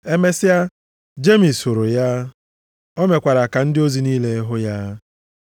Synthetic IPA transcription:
e˦me˦sɪ˦a˦ | d͡ʒe˦mi˨so˨ɾo˨ja˦ | ɔ˦me˨kʷa˨ɾa˨ka˨n̩˦dɪ˦o˦zi˨niː˦le˦ɦʊ˦ja˦

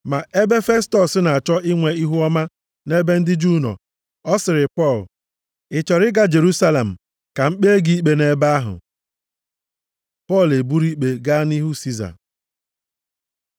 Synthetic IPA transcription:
ma˨ʔe˦be˦fe˦stɔ˨sɪ˦na˨a˨t͡ʃɔ˦ɪ˦ŋʷe˨i˦ɦu˦ɔ˦ma˦ | ne˦be˦n̩˦dɪ˦d͡ʒu˦˨nɔ̰˨ | ɔ˦sɪ˨ɾɪ˨pɔ˦˨l | ɪ˨t͡ʃɔ˨ɾɪ˦ɡa˦d͡ʒe˨ɾu˦sa˦le˨m̩˨ | ka˨ŋ͡m̩˦k͡pe˦e˦ɡi˨i˦k͡pe˨ne˦ba˦a˦ɦʊ̰˨ | pɔ˦˨le˨bu˦ɾi˦k͡pe˨ɡa˦ni˦ɦu˦si˦za̰˨

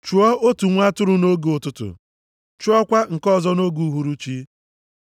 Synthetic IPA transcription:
t͡ʃu˨˦ɔ˦o˦tu˨ŋʷ˦a˦tʊ˦ɾʊ˨no˦ɡe˨ʊ˨tʊ˦tʊ̰˨ | t͡ʃu˦ɔ˦kʷa˦ŋ̩˨kɔ˦˨zɔ˦no˦ɡu˨˦ɦu˨ɾu˦t͡ʃi˦

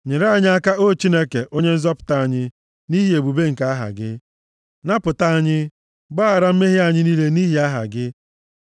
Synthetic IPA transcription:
ɲe˨ɾa˦˨ɲɪ˦a˦ka˦o˦˨t͡ʃi˦ne˦ke˨ʔo˦ɲe˦n̩˦zɔ˦pʊ̥˨ta˦a˨ɲɪ˦ | ni˦ɦi˦e˨bu˨be˦ŋ̩˨ka˦a˦ɦa̰˨ɡɪ˦ | na˦pʊ˨ta˦a˦˨ɲɪ˦ | ɡ͡ba˦a˨ɾa˦m̩˦me˦ɦɪ˦a˨ɲɪ˦niː˦le˦ni˦ɦi˨˦a˦ɦa̰˨ɡɪ˦

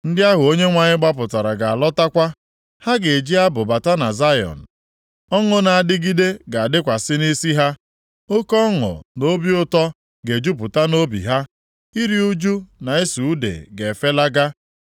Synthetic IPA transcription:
n̩˦dɪ˦a˦ɦʊ˨o˦ɲe˦ŋʷa˨ɲɪ˦ɡ͡ba˦p̬ʊ˨ta˨ɾa˨ɡa˨a˨lɔ˦ta˦kʷa˦ | ha˦ɡe˨d͡ʒi˦a˦bʊ˨ba˨ta˦na˨za˦jɔ̰˨n̩˨ | ɔ˦ŋʊ˦na˨a˨dɪ˦ɡi˦de˦ɡa˨a˨dɪ˦kʷa˨sɪ˦ni˦si˦ɦa˦ | o˦kɔ˦ŋʊ̰˨no˦bi˦ʊ˦tɔ˦ | ɡe˨d͡ʒu˦p̬ʊ˨ta˦no˦bḭ˨ɦa˦ | i˦ɾi˦u˦d͡ʒu˦na˨e˦su˨u˦dḛ˨ɡe˨fe˦la˦ɡa˦

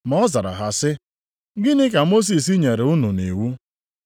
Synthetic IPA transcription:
mɔ˦za˨ɾa̰˨ɦa˨sɪ˦ | ɡɪ˦nɪ˦ka˨mo˦s̬i˨s̬i˦ɲe˨ɾe˨ʊ˦nʊ˨ni˨wu˦

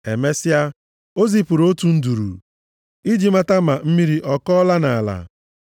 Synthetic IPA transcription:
e˨me˦sɪ˦a˦ | o˦zi˨pu˨ɾo˦tu˨n̩˦du˨ɾṵ˨ | i˦d͡ʒi˨ma˦ta˦ma˨m̩˦mi˦ɾi˦ʔɔ˦kɔ˦la˦na˨la̰˨

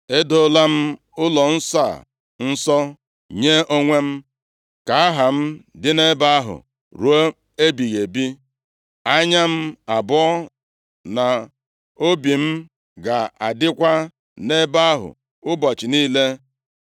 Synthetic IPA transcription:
e˦do˦la˦m̩˦ | ʊ˦lɔ˨n̩˦sa˦˨ | n̩˦sɔ˦ | ɲe˦ʔo˦ŋʷe˦m̩˦ | ka˨a˦ɦa˨m̩˦dɪ˦ne˦ba˦a˦ɦʊ̰˨ | ɾu˨˦o˦ | e˦bi˨ɣe˨bi˦ | a˦ɲa˦m̩˦a˨bɔ˦ɔ˦ | na˨ | o˦bi˨m̩˦ | ɡa˨a̰˨dɪ˦kʷa˦ | ne˦ba˦a˦ɦʊ̰˨ | ʊ˦bɔ˨t͡ʃɪ˨niː˦le˦

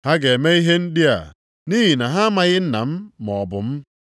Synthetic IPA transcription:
ha˦ɡe˨me˦i˦ɦe˦n̩˦di˦a̰˨ | ni˦ɦi˨na˨ɦa˦ma˦ɣɪ˦n̩˦na̰˨m̩˦mɔ˨bʊ̰˨m̩˦

